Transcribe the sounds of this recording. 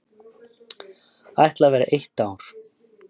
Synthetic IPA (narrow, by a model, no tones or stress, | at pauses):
ajht̪lavɛːɾa̰ʔejht̪aːwɾ̥